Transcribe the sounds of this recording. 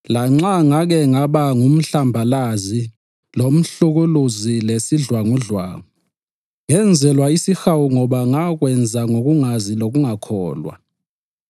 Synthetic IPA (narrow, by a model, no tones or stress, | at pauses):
laŋ͡ǁaŋaɣ̬ɛŋaɓaŋum̩ɬambʱalazi | lom̩ɬuɣuluzilesiɮwaŋuɮwa̰ːŋu | ŋɛnd͡zʱɛlwaisixawuŋɔɓaŋak̬wɛnd͡zʱaŋok̬uŋazilok̬uŋakʰɔ̰ːlwa̰